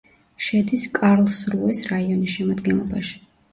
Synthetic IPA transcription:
ʃɛd̪iskʼaɾlˠsɾuɛsɾaiɔnisʃɛmad̪ɡɛnlˠɔbaʃi̥

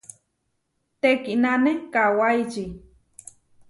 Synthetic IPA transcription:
t̪ekinanekawajt͡ʃi

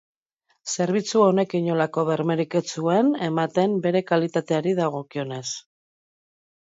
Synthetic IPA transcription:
se̞ɾβ̞it͡suone̞kiɲo̞lako̞βe̞ɾmeɾike̞t͡suene̞mat̪e̞mbe̞ɾe̞kalit̪at̪e̞aɾiðaɣ̞o̞kio̞ne̞s

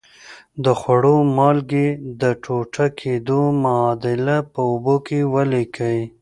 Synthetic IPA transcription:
d̪əxwaɽomɑlɡed̪əʈʰoʈakʰed̪omaɑd̪ɪlapəʊbokewəlekʰəj

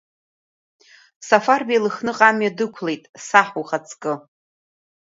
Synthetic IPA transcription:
safarbejlɨxnɨqʼamjadɨkʷʰlejtʼsaħuχat͡sʰkʼɨ

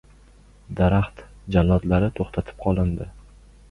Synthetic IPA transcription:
d̪aɾaχt̪d͡ʒanlat̪laɾɪt̪ʰoχt̪ʰat̪ʰɪ̥p̚qʰɒlˠɪnd̪ɪ

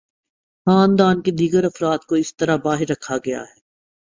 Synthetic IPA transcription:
xaːnd̪aːnked̪iːɡəɾɐfɾaːt̪koɪst̪ɐɾabaːɦɪɾːɐkʰːaɡɐja̰ɦɛː

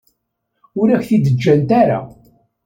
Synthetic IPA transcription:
ʊɾæçθid̪əd͡ʒːænt̪aɾa̰

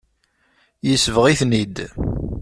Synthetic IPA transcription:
jəsvəʁiθnid̪

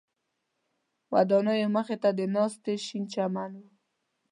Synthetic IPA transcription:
wad̪ɑnajoməxet̪ad̪ənɑst̪eʃint͡ʃamanwu

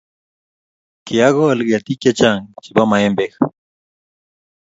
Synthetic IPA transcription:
keaɣoalɡat̪ikjat͡ʃaŋt͡ʃibamaembex

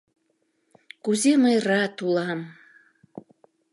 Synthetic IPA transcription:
kuzeməjrɑt̪ulɑm

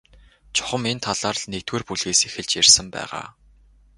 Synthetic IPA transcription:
t͡ɕʰʊ̥χə̆ment̪ʰaɮaːrɮnekt̪weːrpuɮɣeːsexɘ̆ɮt͡ɕjirsə̆mpæ̰ːʁa̰ː

